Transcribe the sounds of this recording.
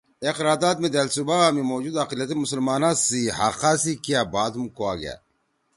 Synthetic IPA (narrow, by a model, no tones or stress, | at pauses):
eqɾaːd̪aːt̪̚med̪eːlsubamimoːd͡ʑud̪aqiljɐt̪imusəlmaːnãsihaqaːsikijabaːd̪umkoaːɡa̰